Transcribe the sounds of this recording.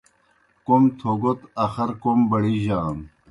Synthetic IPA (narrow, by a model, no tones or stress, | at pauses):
komt̪ʰoːɡot̪ɐxɐɾkombɐɽiʑaːn